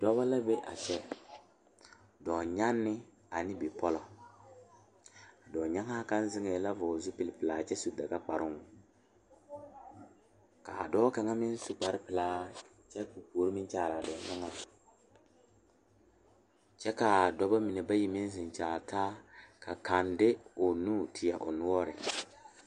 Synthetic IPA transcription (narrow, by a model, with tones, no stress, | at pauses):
dɔ˦ba˦la˦bɛ˦ʔa̰˨t͡ʃɛ˦ | dɔː˨ɲa˦nːɪ˦ | a˨nɪ˦bɪ˨pɔ˦lɔ˨ | a˨dɔː˨ɲa˦ŋa˦ka˦n˦zɪ˦ŋe˨la˦vɔ˨zʊ˦pɪ˨lɪ˨pɪ˨laː˨t͡ʃɛ˦su˦da˨ka˦k͡pa˨ɾɪ˦ŋʊ˦ | ka˨a˨dɔː˦ka˨ŋa˦mɪ˦n˦su˦k͡pa˨ɾɪ˦pɪ˨laː˦ | t͡ʃɛ˦ku˨poː˨˦ɾi˦mɪ˦n˦t͡ʃaː˨ɾa˨dɔ˨ɲa˦ŋa˦ | t͡ʃɛ˦ka˨dɔ˦ba˦mɪ˨nɛ˨ba˦ji˦mɪ˦n˦zɪ˨n˨t͡ʃaː˨ta˦ka˨ka˨ndɪ˦ʊ˨nuː˦tʰɪ˨ja̰˨ʔʊ˨nʊ˦wɔ˦ɾɪ̰˨